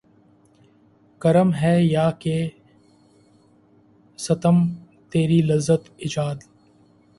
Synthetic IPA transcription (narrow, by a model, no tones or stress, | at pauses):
kɐɾəmɦɛjaːke | sɐt̪əm | t̪eːɾilɐzːət̪ɪd͡ʒaːd̪